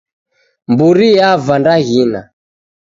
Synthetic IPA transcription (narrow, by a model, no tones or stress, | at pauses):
mbuɾijavandaɣina̰